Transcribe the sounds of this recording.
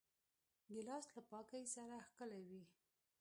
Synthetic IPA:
ɡəlɑst̪lapɑkajsaɾaxkəlawi

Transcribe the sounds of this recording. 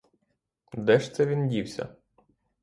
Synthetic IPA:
d̪ɛʃt̪sɛʋʲindʲiwsʲɐ̰

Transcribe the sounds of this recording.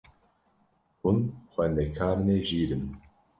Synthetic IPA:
hunxʷɛnd̪ɛkʰaːɾɨneːʒiːɾɨn

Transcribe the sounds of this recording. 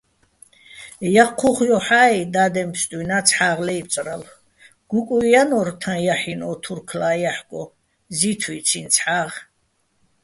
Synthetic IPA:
jaqʰuχjɔħaid̪aːd̪ɛmpst̪ʼujnat͡sʰħaːʁlɛjp̚ʼt͡sʼɾal | ɡ̥ukʼujanɔɾt̪ʰãjaħinɔːt̪ʰuɾkʰlaːjaħkʼɔ | zit̪ʰwit͡sʰint͡sʰħaːʁ

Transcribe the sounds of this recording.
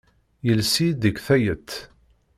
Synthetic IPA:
jəlsid̪əkθæjət̪ː

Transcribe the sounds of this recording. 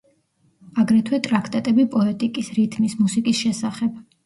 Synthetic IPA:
aɡɾɛt̪ʰwɛt̪ʼɾakʰt̪ʼat̪ʼɛbipʼɔɛt̪ʼikʼisɾit̪ʰmismusikʼisʃɛsaχɛb̚

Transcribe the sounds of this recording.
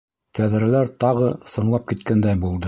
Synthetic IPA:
kæðɾælæɾt̪ɑʁɤsɤ̆ɴlˠɑp̚kit̪kænd̪æjbulˠd̪ɤ

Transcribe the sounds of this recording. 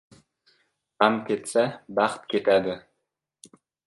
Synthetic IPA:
qɑmkʲet̪sæbɑχt̪ket̪æd̪ɘ̆

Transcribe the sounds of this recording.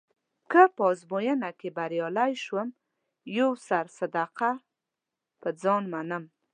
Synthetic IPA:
kəpɔzbojənakebaɾjɑlajʃwəm | jowsaɾsad̪aqa | pəd͡zɑnmanəm

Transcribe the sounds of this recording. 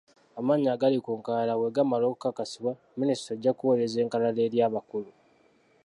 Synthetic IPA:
amaːɲaːɡalikuŋkaːlawe̞ɡamalo̞ːku̥kakasiβwa | ministɾoeɟːakuwoleze̞ːŋkalale̞ːɾjaːβakulu

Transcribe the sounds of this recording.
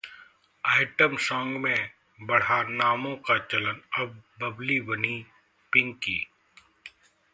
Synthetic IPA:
aːɪʈəmsɔ̃ːŋɡmẽ | bɐɽ̤anaːmõkat͡ʃɐlənɐb̚bɐblibɐni | pɪ̃ŋɡkḭː

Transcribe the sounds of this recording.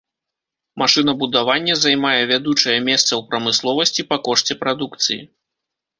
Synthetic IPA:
maʂɨn̪ɐbud̪avanʲːɐzajmajɛvʲad̪ut͡ʂɐjɛmʲɛst̪sɐwpɾɐmɨslˠɔvɐsʲt͡sʲipɐkɔʂt͡sʲɛpɾad̪ukt̪sɨjḭ

